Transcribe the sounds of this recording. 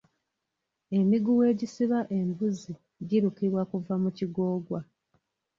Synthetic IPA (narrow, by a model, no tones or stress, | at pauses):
e̞miɡuwe̞ːɟisiβaʔe̞mbuzi | ɟiɾukiβwakuvamuciɡo̞ːɡwa